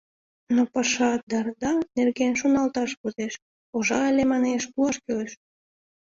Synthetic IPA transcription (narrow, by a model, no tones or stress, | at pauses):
nopɑʃɑd̪ɑrd̪ɑnerɣenʃunɑlt̪ɑʃpuzeʃ | oʒɑelʲemɑneʃpuɑʃkøleʃ